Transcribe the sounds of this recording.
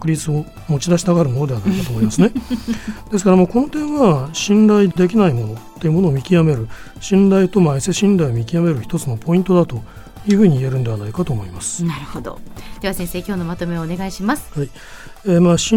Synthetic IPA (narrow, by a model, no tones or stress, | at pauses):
kɯ̟ɾʲit͡sɨo̞ | mo̞t͡ɕid̪aɕi̥t̪aɡaɾɯ̟mo̞no̞d̪eanaikat̪oːmomasɨne̞ | d̪̥e̞sɨ̥kaɾamoːko̞no̞t̪ẽ̞ɰ̃βaɕĩnɾaid̪e̞kʲinaimo̞no̞t̪ːe̞jiɯ̟mono̞ːmʲikʲijame̞ɾɯ̟ | ɕĩnd̪ait̪o̞maiseɕĩnd̪aio̞mʲikʲiame̞ɾɯ̟çi̥t̪o̞t͡sɨno̞pʰo̞ĩnt̪o̞d̪at̪o̞ | jɯ̟ɸɯ̟ːɲ̟ie̞ɾɯ̟nd̪e̞βanaikat̪oːmo̞imasɨ̥naɾɯ̟hod̪o̰d̪̥e̞βasẽ̞ɰ̃se̞ːkʲo̞ːno̞mat̪o̞me̞oːne̞ɡaiɕimasɨ̥hai | eːmaːɕĩ